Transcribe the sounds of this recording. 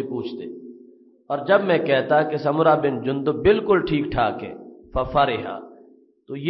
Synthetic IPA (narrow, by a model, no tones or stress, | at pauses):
epuːt͡ʃʰt̪eː | ɔːɾd͡ʒɐbmɛ̃kɛɦt̪akesɐmʊɾabɪnd͡ʒʊ̃nd̪obɪlkʊlʈʰiːk̚ʈʰaːkḛ̃ːfɐfɐɾɪɦa̰ː | t̪oje